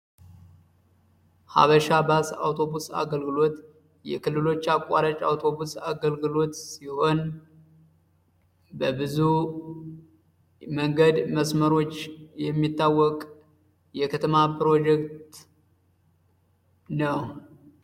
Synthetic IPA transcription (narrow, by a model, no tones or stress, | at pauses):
ha̰βəʃabasa̰wt̪ʰo̞busa̰ɡəlɡɨlo̞t̪ | jɛ̰kʰɨlːɨlo̞t͡ʃːakʷʼa̰ɾət͡ʃʼa̰wt̪ʰo̞busa̰ɡəlɡɨlo̞t̪siho̞n | bəbɨzu | məŋɡəd̪məsməɾo̞t͡ʃːjɛmːit̪ːawːɔkʼ | jɛkʰət̪ʰəmapɨɾo̞d͡ʒɛkt̪ | nəw